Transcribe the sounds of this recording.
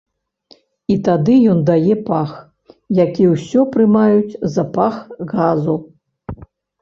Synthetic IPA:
it̪ad̪ɨjɔnd̪ajɛpax | jakʲiwsʲɔpɾɨmajut͡sʲzɐpaxɣazu

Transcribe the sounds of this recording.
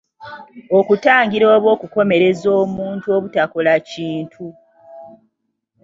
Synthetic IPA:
okutaːŋɡiɾoːβwo̞ːkuko̞me̞ɾe̞zoːmuːntuoβutako̞laciːntʰu

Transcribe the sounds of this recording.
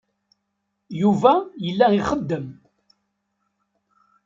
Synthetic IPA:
juvæjəlːæiχəd̪ːəm

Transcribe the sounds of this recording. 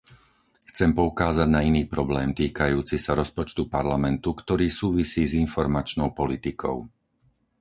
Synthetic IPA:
xt͡sɛmpɔukaːzaɟnainiːpɾɔblɛːmt̪iːkajuːt͡sisaɾɔspɔt͡ʃt̪upaɾlamɛnt̪ukt̪ɔɾiːsuːʋisiːzinfɔɾmat͡ʃnɔʊpɔlit̪ikʰɔ̰ʊ

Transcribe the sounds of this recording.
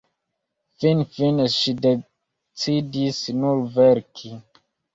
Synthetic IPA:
finfineʃide | t͡sidisnuɾveɾkʰi

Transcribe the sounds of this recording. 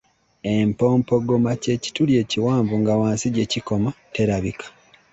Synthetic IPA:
empo̞ːmpo̞ɡomace̞ːci̥tulje̞ːciwaːmvuŋɡawaːnsiɟe̞ciko̞mate̞ɾaβikʰḁ

